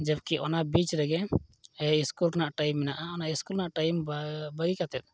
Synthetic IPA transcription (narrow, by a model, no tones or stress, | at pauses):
d͡ʒəbkiʔɔnabit͡ʃɾɛɡɛ | iskulnaʔʈajmːɛnaʔaɔnaʔiskulnaʔʈajmbəɡikat̪ɛt̪̚